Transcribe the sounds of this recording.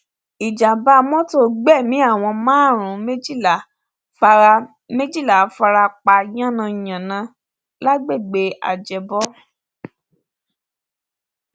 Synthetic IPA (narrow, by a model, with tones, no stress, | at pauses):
i˨d͡ʒa˨ba˧˦mɔ̃˦to˦ɡ͡bɛ˦˨mĩ˨˦a˦˨w̃ɔ̃˧mãː˨˦˨ɾ̃ũ˨˦me˦d͡ʒi˦˨a˨ | fa˧ | mẽ˦d͡ʒi˦˨la˨fa˧ɾa˧k͡pa˧j̃ã˦˨nã˧i˨j̃ã˨nã˧ | la˦ɡ͡be˦˨ɡ͡be˨˦a̰˨d͡ʒɛ˧bɔ˦